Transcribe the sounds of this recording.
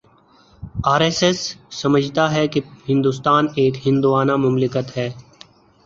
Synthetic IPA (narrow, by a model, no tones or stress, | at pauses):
aːɾeːsɛsːɐməd͡ʒʱt̪aɦɛkihɪ̃nd̪ust̪aːneːkhɪ̃nd̪uʋaːnamʊmlɪkət̪ɦɛː